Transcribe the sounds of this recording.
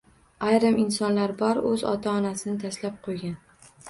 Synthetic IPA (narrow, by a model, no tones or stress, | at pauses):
ajɾɪmɪnsɒnlaɾbɒɾɵzɒ̰t̪ʰaɒnasɪnɪt̪ʰaslap̚qʰojɡʲan